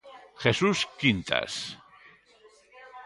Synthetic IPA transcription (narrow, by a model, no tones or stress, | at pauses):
xesuskint̪a̰s